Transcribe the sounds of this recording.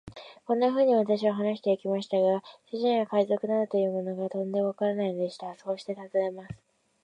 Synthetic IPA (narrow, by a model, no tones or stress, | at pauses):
kõ̞nːaɸɯ̟ːɲ̟iβ̞at̪aɕiβaɦanaɕi̥t̪e̞ikʲimaɕi̥t̪aɡaɕiʑĩɰ̃ɡakaizo̞kɯ̟nad̪ɯt̪o̞jɯ̟ːmo̞no̞ɡat̪õ̞nd̪e̞moβakaɾanainod̪e̞ɕi̥t̪asoːɕi̥t̪e̞t̪azoemasɨ̥